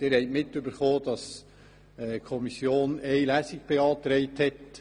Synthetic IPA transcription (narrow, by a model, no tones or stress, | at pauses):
d̥ɪɾhɛɪtmɪtːʏbəɾχoːd̥ɑs | ɛkʰɔmisjoːnɛɪlæsɪk̚b̥eɑːt̪ɾɛɪthɛt